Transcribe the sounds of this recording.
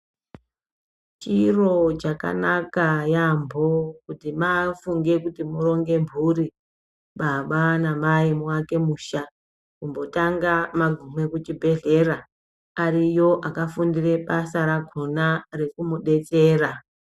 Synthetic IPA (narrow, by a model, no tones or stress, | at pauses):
t͡ʃiro̞t͡ʃaka̰nakajambʱo̞kutimafuŋɡe̞kutimuro̞ŋɡe̞mbʱuri | ɓaɓanamaimwake̞muːʃa | kumbo̞taŋɡamaɡʱumwe̞kut͡ʃibʱe̞ɮe̞ra | arijo̞ʔakafundire̞pasaɾaɡʱonare̞kumuɗe̞t͡se̞ːra